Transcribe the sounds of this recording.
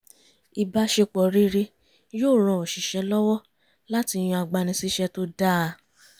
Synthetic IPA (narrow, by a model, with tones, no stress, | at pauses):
i˧ba˧ʃe˧k͡pɔ˨ɾi˦ɾe˧ | joː˦˨ɾ̃ɔ̃˧˨ɔ˨ʃi˨ʃɛ˨˧˦lɔ˦wɔ˦ | la˦ti˧j̃ũ˧a˧ɡ͡ba˧nĩ˧si˦ʃɛ˧to˦da˦˨˧